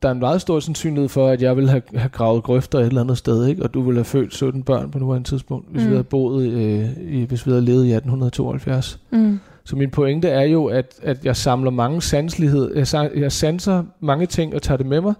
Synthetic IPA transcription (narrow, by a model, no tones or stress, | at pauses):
d̥ɑ̈æɐenmɑ̈ːð̩ˠsd̥o̝ɐ̰sensy̰ːnihe̝ð̰ˠfɒ̽æd̥jɑ̈ɪʋe̝lɦæhæɡ̥ʁɑ̈ʊð̩ˠɡ̥ʁœfd̥ɐe̝ɾelænð̩ˠsd̥eðˠe̝ɡ̥ɒ̽d̥uʋe̝lhæfø̰ːd̥sø̰d̥n̩b̥ɶɐ̰npʰɒ̽nulænət͡sʰiðˠsb̥ɔ̽ŋ̰d̥ʋe̝sʋʋihæb̥o̝̰ːð̞̩ˠiʋe̝sʋihæle̝ːð̩ˠiæd̥n̩hunɐðˠt͡sʰo̝̰ːɐhælfjæɐs | sɒ̽minpʰoeŋd̥əæɐjo̝æd̥æd̥jɑ̈ɪsɑ̈mlɐmɑ̈ŋəsænslihe̝ð̰ˠɐjjɑ̈ɪsænsɐmɑ̈ŋət͡sʰe̝ŋ̰ɒ̽t͡sʰɑ̰̈ːd̥e̝memɑ̈ɪ